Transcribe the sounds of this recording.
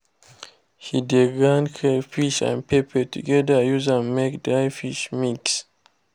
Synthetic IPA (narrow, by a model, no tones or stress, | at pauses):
hidiɡãnkʰefiʃã̰npʰepʰɛtʰuɡɛdəjuzãnmekdajfiʃmiks